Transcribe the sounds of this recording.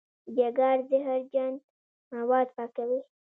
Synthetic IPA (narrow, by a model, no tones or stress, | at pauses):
d͡ʒaɡɑɾzəɦaɾd͡ʒand̪ | mawɑd̪pɑkawi